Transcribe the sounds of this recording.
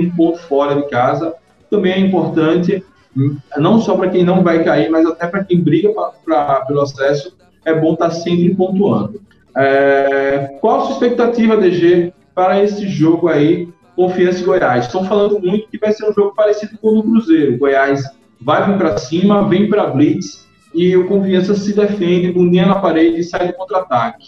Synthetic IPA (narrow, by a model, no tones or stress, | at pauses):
ũpoʊfɔɾɐdɪkazɐ | t̪ɐ̃bẽj̃ɛĩmpoɾt̪ɐ̃t̪ɪ | nɐ̃w̃sɔpɾɐkẽj̃nɐ̃w̃vajkaiɾmajzat̪ɛpɾɐkẽj̃bɾiɡɐpapɾɐpelʊasɛsʊ | ɛbõt̪asẽmpɾɪpõnt̪uɐ̰̃nd̪ʊ | ɛ | kwawsuispek̚t̪at̪ivɐd̪eʒe | paɾɐesɪʒoɡʊai | kõfiɐ̃sɪɡojajst̪ɐ̃w̃falɐ̃nd̪ʊmũj̃t̪ʊ̥kɪvajseɾũʒoɡʊpaɾesid̪ʊkõnʊkɾuzeɾʊɡojajs | vajvẽj̃pɾɐsĩmɐvẽj̃pɾɐablits | ɪʊkõfiɐ̃sɐsɪd̪efẽnd̪ɪbũniɐnɐpaɾed͡ʒɪːsajd̪ʊkõnt̪ɾat̪akɪ̥